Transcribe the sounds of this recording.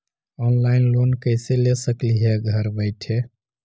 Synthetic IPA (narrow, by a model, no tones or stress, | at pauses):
ɔnlaɪnlonkəɪselesəkliɦeɡʱəɾbəɪʈʰe